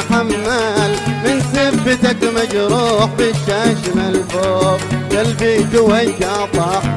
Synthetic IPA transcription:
ħamːalmɪnsɪbːɪt̪akmad͡ʒɾuːħbɪʃaːʃmalfoːfk̪albiːk̪ʊwajːat̪ˤɑħ

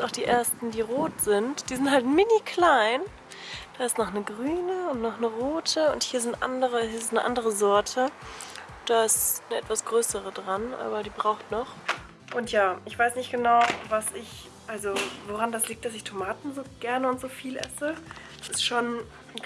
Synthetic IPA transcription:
aʊxd̥iːʔeːɐstn̩diːʁoːtz̥ɪntd̥iːzɪnthaltmɪnikʰl̥aɪn | d̥aːɪstnɔχnəɡʁyːnəʊntnɔχnəʁoːtʰəʊ̰nthiːɐzɪntʔa̰ndəʁəhiːɪsnnəʔa̰ndəʁəzɔɐtʰə | d̥aːɪstnəʔɛtv̥asɡ̥ʁøːsəʁədʁanʔa̰ːbɐdiːbʁaʊxtnɔχ | ʔʊntjaːʔɪçv̥aɪsnɪçtɡ̥ənaʊvasɪç | ʔalzovoʁandasliːk̚td̥asɪçtʰomaːtn̩zoːɡ̥ɛɐnəʊntz̥oːfiːlʔɛ̰sə̥ | sɪstʃoːn

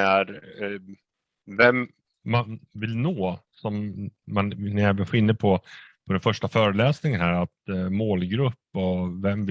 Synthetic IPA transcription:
æɾ | vɛmː | anvɪlnoːsɔmːannɛːvəɧɪnːəd̪̚pʰɔpʰɔd̪ɛnfœʂʈafœːɾəlɛːsnɪŋənhæːɾat̪moːlɡɾɵpːɔvɛmv

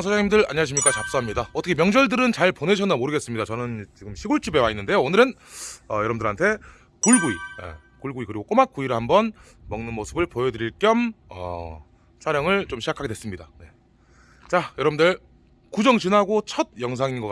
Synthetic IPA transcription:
nsʰd͡ʑaŋɲimdɯɾa̰ɲiaɕʰimɲik͈at͡ɕap̚s͈oɦamɲidaʌtʰʌkʰemjʌŋd͡ʑʌɭdɯɾɯnt͡ɕaɭpone̞ɕʰʌnamoɾɯɡe̞s͈ɯmɲidat͡ɕʌnɯnt͡ɕiɡɯmɕʰiɡuɭt͡ɕ͈ibe̞wainːɯnde̞joːnɯɾɯn | ʌjʌɾʌbɯndɯɾɦantʰe̞ | kuɭɡuiʌ̰ | kuɭɡuikɯɾiɡok͈omak͈uiɾɯhambʌn | mʌŋnɯnmosʰɯbɯɭpojedɯɾiɭk͈jʌmʌ̰ | sʰaɾjʌŋɯɭt͡ɕomɕʰid͡ʑakʰaɡewe̞s͈ɯmɲidane̞ | t͡ɕajʌɾʌbɯndɯɭ | kud͡ʑʌŋt͡ɕinɦaɡot͡ɕʰʌd̚jʌŋs̬ʰaŋinɡʌk

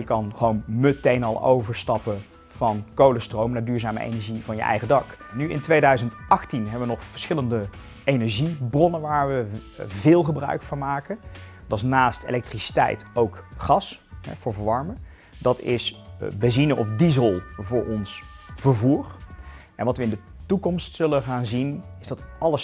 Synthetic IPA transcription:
jəkɑnχʋownmətejnɑlˠo̰wvəɹstɑpə | v̥ɑnkowləstrowmnaːɹdyːɹzaːmə̰ʔḛnɛɹʒivɑnjə̰ʔɛ̰jχədɑk | nyɪ̰ntʋejdœɥzəntʔɑχtinɦɛbəʋənɔχfə̥ɹsχɪləndə | ejnɛɹʒibrɔnənʋaːɹʋəvɪːlˠχəbrœ̰ɥkfɑnmaːkə | d̥ɑs̬naːstḛlɛk̚trisi̥tɛ̰jtowkχɑs | ɦɛ̰v̥ʊːɹvəɹʋɑɹmə | dɑtɪsbɛzinəʔɔ̰fdizəlˠvʊːɹʔɔnsv̥əɹvuːr | ʔɛ̰nʋɑtʋəɪndə | tukɔmstsɵləχaːnzinɪzdɑtɑləs

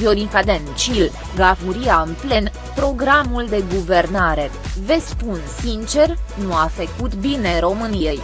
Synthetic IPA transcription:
vioɾiŋkad̪ent͡ʃil | ɡafuɾijaɨnple̞n | pɾo̞ɡɾamuld̪e̞ɡuve̞rnaɾe̞ve̞spunsint͡ʃe̞rnuafəkut̪bine̞ɾo̞mɨnijej

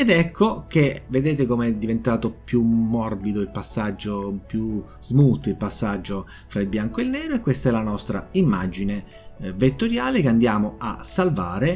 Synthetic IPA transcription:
ed̪ɛkʰːok̟eved̪eːt̪ekomeɛd̪ːivent̪aːt̪opjumːɔrbid̪oilpasːad͡ʒːopju | zmut̪ilpasːad͡ʒːo | fɾailbjaŋkoelnɛːɾoekːwest̪aɛlːanɔst̪ɾa̰imːad͡ʒine | vet̪ːoɾjaːlekeand̪jaːmoasːalvaːɾe

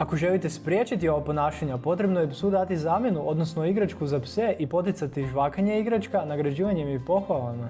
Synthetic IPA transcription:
ako̞ʒe̞lit̪e̞spɾʲje̞t͡ʃit̪io̞ʋapo̞naːʃaɲapo̞t̪ɾe̞bnojepsud̪at̪izaːmʲjenuʔo̞d̪nosnoiɡɾat͡ʃkuzapseʔipo̞t̪̬it̪sat̪iʒʋaːkaɲeiɡɾat͡ʃkanaɡɾad͡ʑiːʋaɲemjɛpo̞xʋalˠama

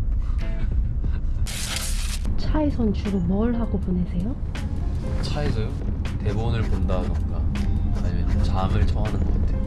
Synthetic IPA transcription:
t͡ɕʰaisʰʌnt͡ɕʰuɡomʌɭɦaɡoponesʰe̞jo | t͡ɕʰaesʰʌjte̞bonɯɭpondaɡʌnk͈aːɲimjʌnomt͡ɕamɯɭt͡ɕʰʌŋɦanɯnɡʌk͈atʰe̞jo

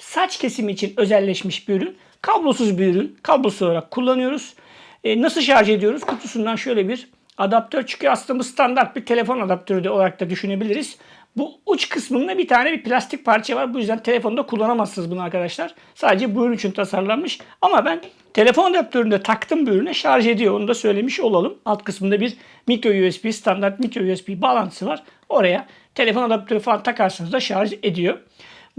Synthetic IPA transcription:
sat͡ʃcʰe̞simiːt͡ʃʰinø̞zɛlʲːɛʃmiʃbyjɾyn | kʰablˠo̞suzbyjɾynkʰablˠo̞suolˠaɾakʰːulˠːanɯjo̞ɾuz̥ | nasɯlˠʃaɾʒɯe̞d̪ijo̞ɾuzkʰut̪ʰusund̪anʃø̞jlʲebiɾ | ad̪ap̚t̪ʰøɾt͡ʃʰy̥ɲcʰyaslɯnabust̪ʰand̪aɾt̪̚biɾt̪ʰe̞lʲe̞fo̞nad̪ap̚t̪ʰø̞ɾyd̪ɛolˠaɾak̚t̪ʰad̪yʃyne̞bilʲiɾiz̥ | buut͡ʃkʰɯsmɯnd̪abit̪ʰaːnɛbiɾplʲast̪ʰic̚pʰaɾt͡ʃʰɛvaɾbujyzd̪ænt̪ʰe̞lʲe̞fo̞nd̪akʰulˠːanamasːɯnɯzbunuaɾkad̪aʃlˠaɾ̥ | saːd̪e̞d͡ʒɛbununyt͡ʃʰynt̪ʰasaɾlˠanmɯʃamabæn | t̪ʰe̞lʲe̞fo̞nad̪ap̚t̪ʰø̞ɾynd̪ɛt̪ʰakt̪ʰɯmbyɾynɛʃaɾʒe̞d̪ijo̞onud̪asø̞jlʲe̞miʃo̞lˠalˠɯmalˠt̪kʰɯsmɯnd̪abiɾ | mikɾo̞juɛspist̪ʰand̪aɾt̪̚mikɾo̞juɛspibaːlˠant̪ʰɯsɯvaɾ̥ | o̞ɾaja | t̪ʰe̞lʲe̞fo̞nad̪ap̚t̪ʰø̞ɾyfalˠant̪ʰakaɾsanɯzd̪aʃaɾʒe̞d̪ijo̞

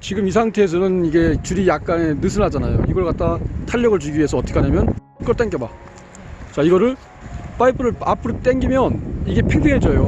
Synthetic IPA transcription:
t͡ɕiɡɯmis̬ʰaŋtʰeːs̬ʰʌnɯniɡe̞t͡ɕuɾijak̚k͈ane̞nɯs̬ʰɯnad͡ʑanajo̰iɡʌɭkat̚t͈atʰaʎːʌɡɯɭt͡ɕuɡiɥiɦe̞sʰʌʌːt͈ʌkʰaɲamjʌn | k͈ʌɭt͈eŋk͈eba | t͡ɕaiɡʌɾɯɭ | p͈aipʰɯɾɯɭapʰɯɾot͈eŋɡimjʌniɡe̞pʰepʰiŋɦet͡ɕ͈ʌjo

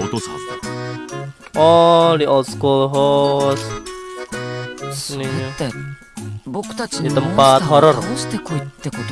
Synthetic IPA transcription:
ʔɔdiʔɔlt̪skulɦos | ni | dit̪əmpat̪ɦɔɾɔr

